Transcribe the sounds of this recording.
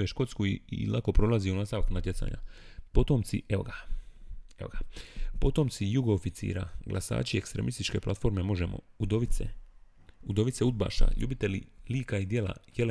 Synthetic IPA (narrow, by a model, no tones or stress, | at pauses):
jeʃko̞t̪skuiilʔako̞pɾo̞laziunast̪aʋaknat̪je̞t̪sa̰ːɲa̰po̞t̪omt̪siʔeoɡa | eoɡapo̞t̪omt̪sijuɡoːfit̪sḭːɾa̰ɡlʔasa̰ːt͡ʃie̞kst̪ɾe̞mist̪it͡ʃke̞plˠat̪fo̞ɾme̞mo̞ʒe̞mo̰ud̪oʋit̪sḛ | ud̪o̞ʋit̪seud̪̚ba̰ːʃa̰ʎṵbit̪e̞liliːkaid̪jela̰jel